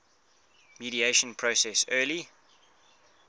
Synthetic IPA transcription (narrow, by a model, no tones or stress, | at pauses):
miɾieɪʃə̃npʰɹosɛsɜːli